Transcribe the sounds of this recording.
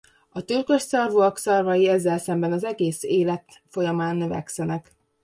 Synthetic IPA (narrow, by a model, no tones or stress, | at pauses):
ɒt̪ylkøʃsɒrvuɒksɒrvɒjiɛzːɛlsɛmbɛnɒzɛɡeːseːlɛt̪ | fo̞jɒmaːnːøvɛ̰ksɛnɛk